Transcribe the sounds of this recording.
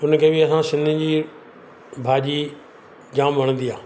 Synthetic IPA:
ʊnkʰeːbɪɐsãsɪ̃nd̪ʱɪd͡ʑiː | bʱaːʄi | d͡ʑãːmbɐɽ̃nd̪iaː

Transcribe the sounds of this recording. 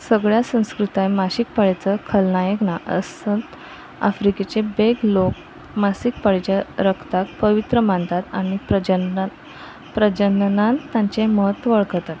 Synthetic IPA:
səɡɭjasə̃w̃skɾut̪ajmaɕik̚pəɭet͡səkʰəlnajəknaʔə̰sənt̪ | a̰fɾiket͡ɕebeɡlok̚ | masik̚pəɭet͡ɕaɾəkʰt̪ak̚pəʋit̪ɾəmãnt̪at̪aɽ̃id͡ʑ | pɾəd͡ʑənnãnt̪ːjãɲt͡ɕeməɦət̪əɭkət̪at̪

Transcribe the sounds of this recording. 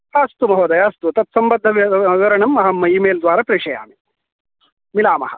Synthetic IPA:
ɐst̪umɐɦoːd̪ɐjaɐst̪ut̪ɐt̪̚sɐmbɐd̪ʱːɐʋɡɐɾɐɳɐmɐɦɐmːɐiːmeːld̪ʋaːɾɐpɾiʂɐja̰ːmi | milaːmɐ̰ɦɐ

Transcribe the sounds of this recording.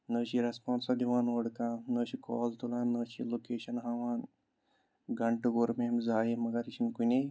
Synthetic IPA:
nəːɕiɾɐspãːnsɐd̪iʋãːnoɽkãːnəːt͡ʃikɔ̰ːlt̪ulãːnːəːt͡ʃḭloːkeːʃɐnɦaʋaːn | ɡɐɳʈɨɡoɾmemzaːjemɐɡaɾit͡ʃʰinkune

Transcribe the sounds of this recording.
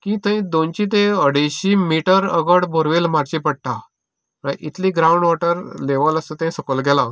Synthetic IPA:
kĩːt̪əĩd̪ont͡ɕit̪̬eəɽeɕimiʈəɾə̰ɡəɽbʱoɾʋelmaɾt͡ɕipəɽʈa | ãʔit̪liɡɾauɳɖʋɔʈəɾleʋələsət̪ə̃ĩsəkəlɡɛlã

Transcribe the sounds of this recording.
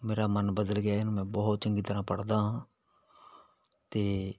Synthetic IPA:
meːɾaːmənbəd̪əlɡɪaːɪnũːmɛ̃ːbɔɦt̪̚t͡ʃəŋɡiːt̪əɾãːpəɽd̪aːɦãː | t̪eː

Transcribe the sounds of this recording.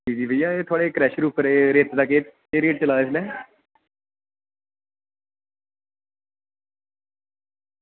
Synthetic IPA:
iːd͡ʒiːʋəijaːeːt̪ʰoaːɽeːkɾɛːʃɾuːpʰɾeːɾeːt̪d̪ake | eːɾeːʈ̚t͡ʃəlaːeslɛː

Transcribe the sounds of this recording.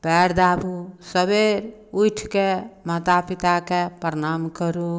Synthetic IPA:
pɛɾd̪abʱusəbeɾ | ujʈʰkemat̪apit̪akepɾənamkəɾu

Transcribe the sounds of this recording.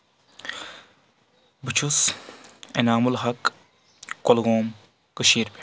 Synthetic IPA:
bɨt͡ʃʰus | ḛnaːmulɦɐk | kolɡoːm | kɨʃiːɾpe̥

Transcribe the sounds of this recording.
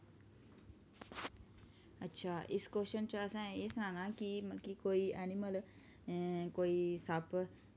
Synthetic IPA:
ətːɕʰaːʔiskoʃənt͡ɕaəsãesnãnãkiməlkikoːianiməl | koːisap

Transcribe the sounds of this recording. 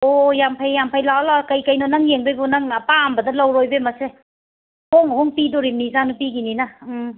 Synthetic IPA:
ojampʰajːampʰajlawlakajkajnɔnaŋjeŋbojbonaŋapambɐdɐlawɾojbemɐse | hɔŋɦɔŋpidɔɾimnizanupiɡinina

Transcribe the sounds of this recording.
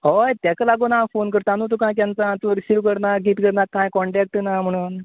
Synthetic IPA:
ɦojt̪jakalaɡonafonkəɾt̪anut̪̬ukãjk̪jãnt͡sãt̪uɾisiʋkəɾnaɡit̪kəɾnakːãjkɔɳʈɛk̚ʈnam̤əɽ̃uːn

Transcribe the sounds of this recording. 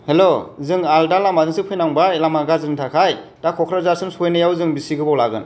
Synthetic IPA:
helozɯŋaldalamazɯŋsɯpʰɯjnaŋbaelamaɡazɯtʰakʰaj | d̥akʰɔkʰɾazaɾsɯnsojnɯjawzɯŋbisiɡɯbɔwlaɡɯn

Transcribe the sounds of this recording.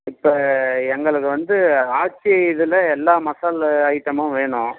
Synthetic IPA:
ɪpːoːɛŋɡɐɭɯkːɯʋɐnd̪ɯaːt͡ʃːiɪðɯlɐɛlːaːmɐsaːlɐɪʈːɐmʊ̃ʋeːɳʊ̃

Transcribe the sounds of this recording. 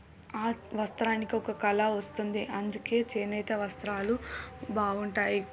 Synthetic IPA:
aːʋɐst̪ɾaːnikiɔkɐkɐlɐʋɐst̪und̪iʔɐnd̪uke̞ːt͡ʃeːnɐjt̪ɐʋɐst̪ɾaːlubaːɡuɳʈaːji

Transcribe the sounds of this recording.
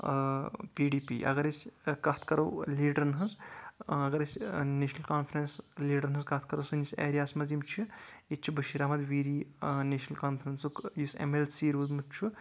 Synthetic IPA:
piɖiːpiːʔɐ̰ɡɐɾeskɐt̪ʰkɐɾɐwliːɖɐɾnɦɐzɐɡɐɾesʲneːʃnɐlkaːnpʰɾɐnsleːɖɐɾnɦɐzkɐt̪̚ʰkɐɾɐwsɐnisḛːɾijaːsmɐzimt͡ʃʰiit͡ʃʰibɐʃiɾaːmɐd̪ʋiːɾiːneʃnɐlkaːnpʰɾɐnsukjusḛmelsiːɾuːzmut͡ʃʰu

